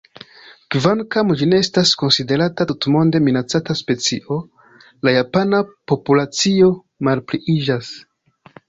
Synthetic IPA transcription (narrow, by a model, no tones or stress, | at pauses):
kvankamd͡ʒineestasko̞nside̞ɾatatutmo̞nde̞minat͡sataspe̞t͡siʔo̞ | lajapanapo̞pulat͡sio̞ | malpliʔid͡ʒas